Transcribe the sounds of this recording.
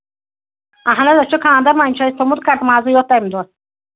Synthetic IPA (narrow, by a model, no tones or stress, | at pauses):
aɦanad̪at͡ʃʰɔkʰaand̪aɾmaimt͡ʃʰaist̪ɔmud̪̚kʰaɾd̪mazujɔt̪̚ːajmd̪ɔɾ